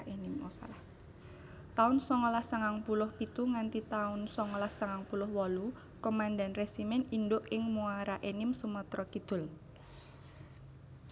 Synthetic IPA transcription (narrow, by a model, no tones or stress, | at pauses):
ʔenɪmɔsa̰lah | t̪aʊnsɔŋɔlahsaŋaŋpulʊhpit̪uŋant̪it̪aʊnsɔŋɔlahsaŋaŋpulʊhwɔlu | komandanresimɛnindʊʔɪŋmuaɾaʔenɪmsumɔt̪ɾɔkid̪̥ʊ̤l